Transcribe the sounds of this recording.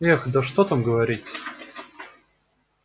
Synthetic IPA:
ɛxd̪əʂt̪ot̪amɡəvɐɾʲitʲ

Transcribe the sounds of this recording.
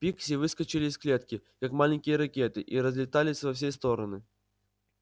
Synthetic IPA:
pʲiksʲɪvɨskət͡ɕɪlʲɪːsklʲet̪kʲɪkakmalʲɪnʲkʲɪjəɾɐkʲe̞t̪ɨʔiɾəzʲlʲɪt̪alʲɪsʲvɐfs̬ʲest̪o̞ɾənɨ

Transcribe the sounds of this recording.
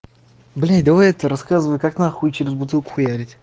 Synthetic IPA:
blʲinʲd̪ɐvajɛt̪əɾɐskazɨvəjkaknaxut͡ɕɪɾʲɪzbʊt̪ɨlˠkʊ̥xʊjaɾʲɪtʲ

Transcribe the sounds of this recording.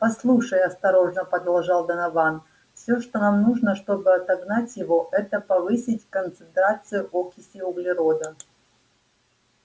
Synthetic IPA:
pɐslˠuʂəjɐst̪ɐɾo̞ʐnəpɐd̪ɐlˠʐalˠd̪ənɐvan | fsʲoʂt̪onamnuʐnəʂt̪o̞bɨɐt̪ɐɡnatʲjɪvo̞ʔɛt̪əpɐvɨsʲɪtʲkənt̪sɨnt̪ɾat̪sɨjʊʔokʲɪsʲɪʊɡlʲɪɾod̪ə

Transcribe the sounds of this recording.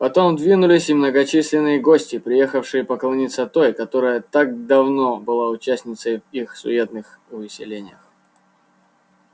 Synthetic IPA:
pɐt̪o̞md̪vʲinʊlʲɪsʲɪmnəɡɐt͡ɕisʲlʲɪnːɨjəɡosʲtʲɪpɾʲɪjexəfʂɨjɪpəklˠɐnʲit̪sət̪o̞jkɐt̪o̞ɾəjət̪ak̚d̪ɐvno̞bɨlˠaʊt͡ɕæsʲnʲɪt̪səjvixsʊ̰et̪nɨx | vɪsʲɪ̰lʲenʲɪjəx

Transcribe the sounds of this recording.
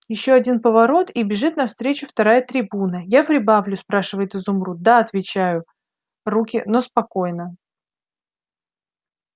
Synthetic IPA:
jɪɕːo̞ɐdʲinpəvɐɾo̞t̪ibʲɪʐɨt̪̚nɐfst̪ɾʲet͡ɕʊft̪ɐɾajət̪ɾʲɪbunəjapɾʲɪbavlʲʊspɾaʂɨvəjɪt̪ɨzʊmɾud̪aɐt̪vʲɪt͡ɕajʊ | rukʲɪno̞spɐko̞jnə

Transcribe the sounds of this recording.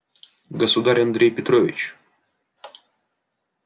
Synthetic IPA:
ɡəsʊd̪aɾʲɐnd̪ɾʲejpʲɪt̪ɾovʲɪ̰t͡ɕ

